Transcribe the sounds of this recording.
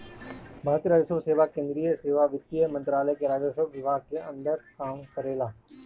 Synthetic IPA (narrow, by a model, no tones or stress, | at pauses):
bʱaːɾət̪jəɾaːd͡ʒəsəbseːʋakẽːnd̪ɾijəseːʋaʋɪt̪ːijəmɐ̃nt̪ɾaːləjkeɾaːd͡ʒəʃəbʋɪbʱaːɡ̚keʔɐ̃nd̪əɾkaːmkɐɾeːlaː